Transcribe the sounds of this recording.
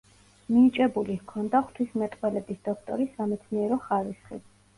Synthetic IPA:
mit͡ʃʼɛbulikʰɔnd̪aχt̪ʰwismɛt̪ʼqʼwɛlɛbisd̪̥ɔkʰt̪ʼɔ̰ɾisːamɛt̪sʰniɛɾɔχaɾisχḭt̪

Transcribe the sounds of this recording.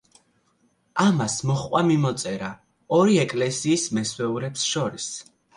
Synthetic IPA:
amasmɔχqʼwamimɔt̪sʼɛɾa | ɔɾiɛkʼlɛsiːsmɛswɛuɾɛpsʃɔɾis

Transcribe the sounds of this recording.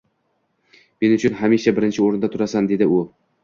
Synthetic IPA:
me̞nʊt͡ʃʰʊnɦamiʃabɪɾɪnt͡ʃʰɪoɾɪnd̪at̪ʰʊɾasand̪e̞d̪ɪʊ

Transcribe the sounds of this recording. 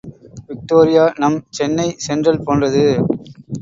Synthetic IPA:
ʋɪk̚ʈoːɾɪjaːnɐmt͡ʃɛnːɐɪsɛndrɐlpoːndrɐðɯ

